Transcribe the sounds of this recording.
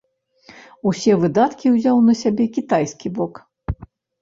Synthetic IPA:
usʲɛvɨd̪at̪kʲiwzʲawnɐsʲabʲɛkʲit̪ajskʲibɔk

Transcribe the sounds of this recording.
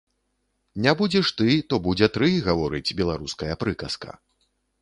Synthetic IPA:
nʲabud͡zʲɛʂt̪ɨt̪ɔbud͡zʲɛt̪ɾɨɣavɔɾɨt͡sʲbʲɛlˠaɾuskɐjɐpɾɨkɐskɐ̰

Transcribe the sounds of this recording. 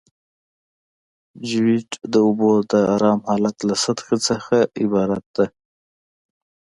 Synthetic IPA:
d͡ʒɪwiʈd̪əʊbod̪əaɾɑːmhɑlat̪lasad̪xat͡səxaɪbɑːɾat̪̚d̪a

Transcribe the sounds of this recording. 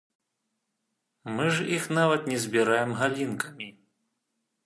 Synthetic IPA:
mɨʐixnavɐt̪nʲɛzʲbʲiɾajɛmɦalʲinkɐmʲi

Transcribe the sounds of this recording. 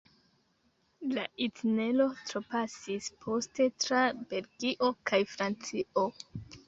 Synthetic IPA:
laʔitne̞lo̞tɾopasispʰo̞ste̞tɾabe̞lɡiʔo̞kʰajfɾant͡sio

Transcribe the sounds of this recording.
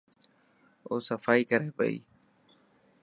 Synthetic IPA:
oːsəfaːiːkəɾeːpə̰ḭː

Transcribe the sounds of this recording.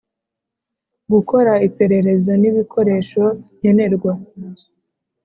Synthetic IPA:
ɡuko̞ɾaipe̞ɾe̞ɾe̞zoniβikʰo̞ɾe̞ːʃo̞ɲ̥e̞ne̞ɾɡwa

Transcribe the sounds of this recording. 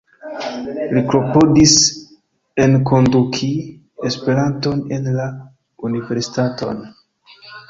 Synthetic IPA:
lipɾo̞po̞dis | e̞nkʰo̞ndukʰi | espe̞ɾanto̞ne̞nla | unive̞ɾsi̥tato̞̰n

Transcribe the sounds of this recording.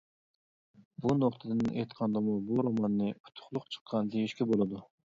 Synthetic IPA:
bunoqt̪ʰɨd̪ɨnejt̪qʰɑnd̪ɑmubuɾomɑnːɨpʰʊ̥t̪ʰʊ̥χlˠʊqt͡ʃʰə̥qʰːɑnd̪ejiʃkʲɛbolˠɨd̪u

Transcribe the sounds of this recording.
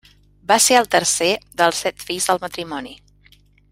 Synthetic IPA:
baseəlˠt̪əɾseðəlˠsːɛt̪fiʎzðəlˠmət̪ɾimɔni

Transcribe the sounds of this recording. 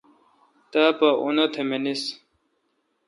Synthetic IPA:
t̪apaʔṵnɐt̪ʰemenis

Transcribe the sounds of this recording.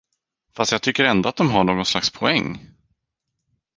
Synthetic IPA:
fast̪jaːt̪ʰʏkːəɾɛnd̪ʊat̪̚d̪ɔmɦaɳoːɡɔnslakspʰɔɛŋː

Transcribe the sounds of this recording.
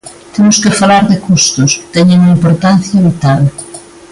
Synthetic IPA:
t̪emʊskɪfalaɾðɪkust̪ʊst̪ɛɲeŋimpoɾt̪an̟θjɐβit̪al

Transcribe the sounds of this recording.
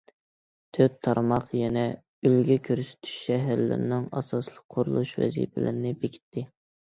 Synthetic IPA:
t̪ʰøp̚t̪ʰːɑɾmɑqjɛnɛ | ylɡʲɛkʲʰøɾsy̥t̪ʰy̥ʃʃɛɦæɾlɪ̰ɾnɪŋɑ̰sɑslˠəq̚qʰːoɾulˠuʃvɛ̰zḭpʰɪlɪ̰ɾnɪbekʲʰi̥t̪ʰːɪ

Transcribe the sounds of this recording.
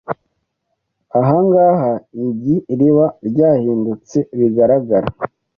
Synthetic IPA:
aɦaŋɡahaiɟiɾiβaɾɟaːhiːndut͡se̞βiɡaɾaɡaɾa̰

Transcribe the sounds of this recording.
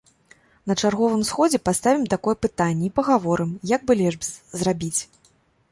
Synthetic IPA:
nɐt͡ʂarɣɔvɨmsxɔd͡zʲɛpast̪avʲimt̪akɔjɛpɨt̪anʲːɛipɐɣavɔɾɨmjaɡ̚bɨlʲɛʐbzrabʲit͡sʲ

